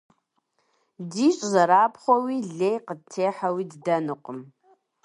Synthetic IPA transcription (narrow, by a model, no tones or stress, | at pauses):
diɕʼzaɾapʰχʷɔwiɮeːjqəd̚tʰeːħawiddanɨqʷʼəm